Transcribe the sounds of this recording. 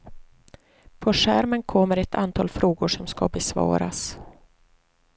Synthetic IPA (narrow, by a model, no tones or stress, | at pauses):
pʰɔʂæːɾmənkʰɔmːəɾɛt̪ʰant̪ʰɑːlfɾoːɡʊʂɔmska̰bɛsvɑ̰ːɾa̰s